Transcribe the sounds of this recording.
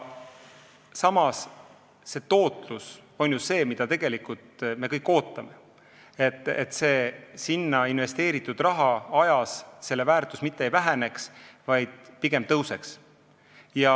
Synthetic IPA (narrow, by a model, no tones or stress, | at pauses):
sɑmɑs | se̞ːt̪o̞ːt̪ˑluso̞nʲjusse̞ːmid̪̥ɑt̪e̞ɡ̥e̞likˑult̪me̞kɤjkːˑo̞ːt̪ːˑɑme̞ | e̞t̪ːˑet̪ːˑse̞ːsinːɑinve̞st̪e̞ːɾit̪ːˑud̪̥rɑɦɑɑjɑsse̞lːe̞væːrt̪ˑusmit̪ːeejvæɦene̞ksvɑjd̪̥̚piɡ̥e̞mt̪ɤwse̞ks | jɑ